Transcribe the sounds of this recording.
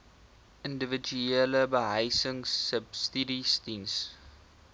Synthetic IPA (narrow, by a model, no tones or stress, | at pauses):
ʔəndəvəd͡ʒueləbəɦəjsəŋsəbstiɾistins